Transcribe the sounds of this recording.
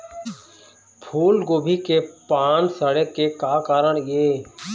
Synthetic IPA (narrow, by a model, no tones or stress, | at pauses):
pʰuːlɡoːbʱikepaːnsəɽekekaːkaːɾəɽ̃jeː